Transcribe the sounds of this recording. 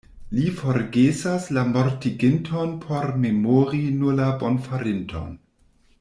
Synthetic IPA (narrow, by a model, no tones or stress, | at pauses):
lifoɾɡesaslamoɾtiɡintʰonpʰoɾmemoɾinulabonfaɾintʰo̰n